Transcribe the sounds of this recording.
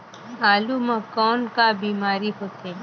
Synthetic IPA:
aːlumãkɔːnkabiːmaːɾiɦoːt̪e

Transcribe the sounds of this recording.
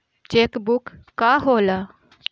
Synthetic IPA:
t͡ʃekbukːaɦola

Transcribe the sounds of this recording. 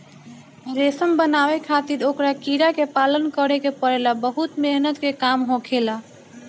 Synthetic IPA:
ɾesəmbənaʋekʰat̪iɾokɾakiɾakepalənkəɾekepəɾelabəɦut̪meɦnət̪kekamɦõkʰela

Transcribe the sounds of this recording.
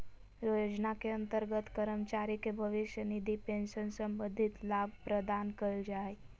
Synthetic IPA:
jojod͡ʒnakeə̃nt̪əɾɡət̪kəɾəmt͡ʃaɾikebʱəʋiʃjənid̪ʱipẽnʃənsə̃mbənd̪ʱit̪lab̚pɾəd̪ankəld͡ʒae

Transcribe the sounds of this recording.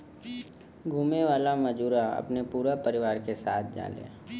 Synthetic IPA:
ɡʱuːmeʋaːlamɐd͡ʒuːɾaɐ̰pnepuːɾapɐɾɪʋaːɾkesaːt̪̚ʰd͡ʒa̰ːlḛː

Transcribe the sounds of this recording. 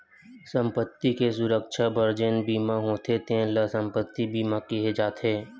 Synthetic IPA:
sə̃mpət̪ːikes̬ʊɾəkʃʰabəɾd͡ʒənbiːmaɦoːt̪ʰet̪ẽləsə̃mpət̪ːibʱiːmakiɦed͡ʒaːt̪eː

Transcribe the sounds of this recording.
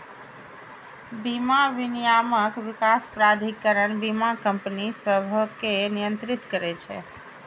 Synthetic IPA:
bimaʋɪnijaməkʋɪkaspɾad̪ʱikːəɾəɳbimakəmpənisəbʱəkenijə̃nt̪ɾɪt̪kəɾet͡ʃʰḛ

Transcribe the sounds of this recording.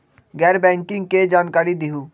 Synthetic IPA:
ɡɛːɾbɛ̃ːŋkɪ̃ŋɡ̚ked͡ʒaːnkaːɾid̪iɦuː

